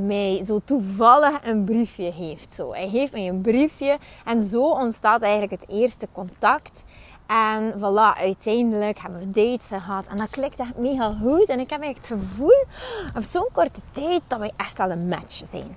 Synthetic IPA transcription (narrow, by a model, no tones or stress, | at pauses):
mɛjzoːtuvɑlˠəxənbrifjəɦeːftso̰ːɛjɦeːftmɛjənbrifjəɛnzoːɔntstaːtɛjɣən̩tləkəteːrstəkɔntɑkt | ɛnvɑlɑʔœɥtʰɛjndələkhɛbənʋədeːtsxəɦɑtʰɛndɑklɪktɛxtmeːɣaɣutɛnɪkhɛpɛɣləkətxəvulˠɔfsoːnkɔrtətɛjt̚d̥ɑtʋɛjʔɛxtʋɛlˠənmɛ̰t͡ʃz̥ɛ̰jn